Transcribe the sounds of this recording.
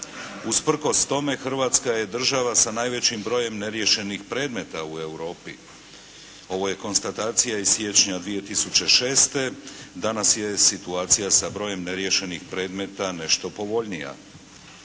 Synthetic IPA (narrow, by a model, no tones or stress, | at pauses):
uspr̩ko̞st̪o̞me̞xr̩ʋaːt̪skaje̞d̪r̩ʒaʋasanaːjʋe̞t͡ɕimbɾo̞je̞mne̞ɾje̞ʃe̞nixpɾe̞ːd̪me̞t̪aue̞wɾo̞ːpḭ | o̞ʋo̞je̞ko̞nst̪at̪aːt̪sijaizsje̞t͡ʃɲad̪ʋije̞t̪isut͡ɕe̞ʃe̞ːst̪e̞d̪anasje̞sit̪uaːt̪sijasabɾo̞je̞mne̞ɾje̞ʃe̞nixpɾe̞ːd̪me̞t̪ane̞ʃt̪o̞po̞ʋo̞ʎnija̰